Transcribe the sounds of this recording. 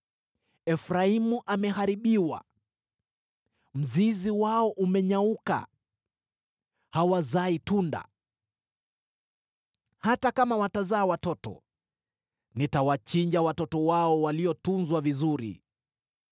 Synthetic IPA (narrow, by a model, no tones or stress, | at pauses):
ɛfɾaimuʔamɛɦaɾiɓiwa̰ | m̩ziziwaɔʔumɛɲauka̰ | hawazaitunda̰ | hatakamawatazaːwatɔtɔ̰ | nitawat͡ʃiɲd͡ʒawatɔtɔwaɔwaliɔtunzwavizuɾḭ